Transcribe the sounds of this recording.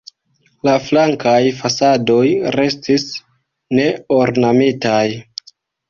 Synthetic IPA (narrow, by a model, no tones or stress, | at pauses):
laflaŋkajfasado̞jɾe̞stis | ne̞oɾnamitaj